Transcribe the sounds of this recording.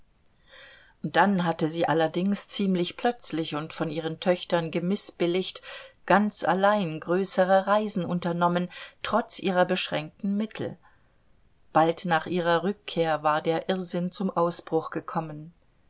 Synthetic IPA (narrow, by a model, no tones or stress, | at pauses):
ʔʊnt̚d̥anɦatəziːʔalɐdɪŋst͡siːmlɪçpl̥œt͡slɪçʊntfɔnʔiːʁ̞əntʰœçtɐnɡəmɪsb̥ɪlɪçtɡ̥ant͡sa̰laɪnɡʁøːsəʁ̞əʁaɪzn̩ʔʊntɐnɔməntʁ̥ɔt͡sʔiːʁɐbəʃʁ̥ɛŋk̚tn̩mɪtʰl̩ | b̥altnaːχʔiːʁ̞ɐʁʏkʰːeːɐvaːɐdeːɐʔɪʁzɪnt͡sʊmʔaʊsb̥ʁʊχɡ̥əkʰɔmən